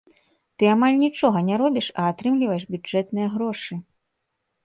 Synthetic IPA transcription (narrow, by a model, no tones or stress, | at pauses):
t̪ɨamalʲnʲit͡ʂɔɣɐnʲɛɾɔbʲiʂɐːt̪ɾɨmlʲivɐjɛʂbʲud͡ʐɛt̪nɨjɐɣɾɔʂɨ